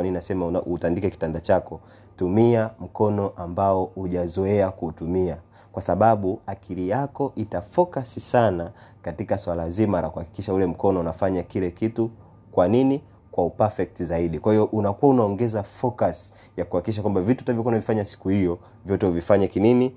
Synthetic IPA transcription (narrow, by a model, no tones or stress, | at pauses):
anininasɛmaʔutandikɛki̥tandat͡ʃakɔ | tumiam̩kɔnɔʔambaɔuʄazɔɛakutumia | kwasaɓaɓuakʰilijakɔʔitafɔkasisanakatikaswalazimaɾakuhaki̥kiʃaulɛm̩kɔnɔunafaɲakilɛkitu | kwanini | kwaupafɛk̚tizaiɗikwahijɔʔunakuwaunaɔŋɡɛzafɔkas | jakuhakikiʃ̬akwambavitutavjɔkwaunavifaɲasi̥kuhijɔ | vjɔtɛuvifaɲakinini